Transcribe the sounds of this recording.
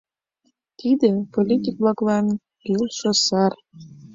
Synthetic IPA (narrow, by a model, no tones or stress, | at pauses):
t̪id̪ĕpolʲit̪ʲik̚blˠɑklɑn | kilʃosɑr